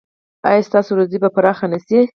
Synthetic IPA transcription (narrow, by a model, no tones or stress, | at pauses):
ɑ̰jɑst̪ɑsoɾozibapaɾɑxanasi